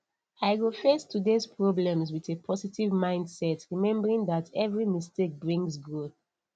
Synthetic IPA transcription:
aɪɡofɛstʰːudespɹɔblɛ̃mswiðepʰɔsitivmãɪ̃ndsɛtɹimɛ̃mbəɹĩŋðatʰɛvɹimistek̚bɹĩŋsɡɹo

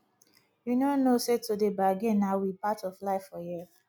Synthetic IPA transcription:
junonosetudebaaɡẽnːaʊwipatɔflaɪfɔjɛ

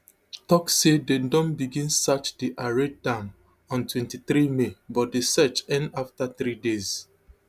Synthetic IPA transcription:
tɔksededɔ̃nbiɡĩnsat͡ʃdiʔaɹedãm | ɔ̃ntwɛ̃ntiθɾimebɔt̚desɛt͡ʃɛ̃ndaftaθɾidez

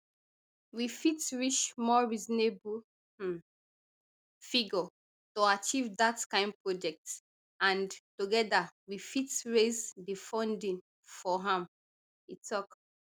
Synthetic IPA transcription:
wifitɹiʃmɔɹizɔnebu | fiɡɔ | toat͡ʃivdatkãɪ̃nd̚pɹɔd͡ʒɛk̚t | ãntoɡɛdawifitɹezdifɔ̃ndĩn | fɔɦãm | witʰɔk

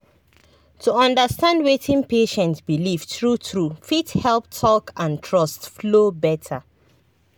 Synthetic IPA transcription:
tuʌ̃ndəstãndwetʰĩnpeʃɛ̃ntsbiliftɹutɹufithɛlp̚tʰɔkʰãntʰɹɔstflobɛtʰə

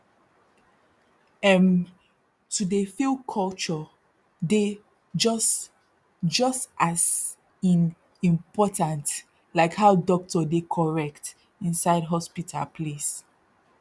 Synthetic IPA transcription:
ɛ̃m | tudefilkʰɔlt͡ʃɔ | de | d͡ʒɔs | d͡ʒʌstʔas | ĩn | ĩmpɔtãnt | laɪkhaʊdɔk̚tɔdekʰɔɹɛk̚t | ĩnsaɪdɦɔspitʰa̰lpʰles

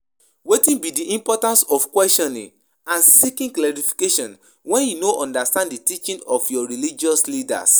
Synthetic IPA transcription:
wetĩnbidiʔĩmpɔtãnsɔfkwɛstɔ̃nḭ̃ŋ | ãnsikĩŋklaɹifi̥keʃɔ̃n | wɛ̃njunoʔɔ̃ndastãndditit͡ʃĩnɔfjɔɹilid͡ʒɔslida̰s

